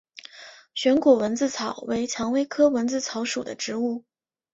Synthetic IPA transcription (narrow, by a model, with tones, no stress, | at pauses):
ɕɥɛ˧˥nkwɔ˨˩wə˧˥nt͡sɹ̩˥˩t͡sʰɑ˨˩˦ʊwe˧˥ɪt͡ɕʰjɑ˧˥ŋwe˥ɪkʰɤ˥wə˧˥nt͡sɹ̩˥˩t͡sʰɑ˧˥ʊʂu˨˩d̪ə̰˦ʈ͡ʂɻ̩˧˥u˥˩